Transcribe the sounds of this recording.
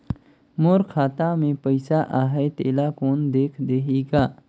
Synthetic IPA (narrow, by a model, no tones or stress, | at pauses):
moːɾkʰaːt̪amẽpəɪsaʔaːɦet̪eːlakoːnd̪eːkʰd̪eːɦeːɡaː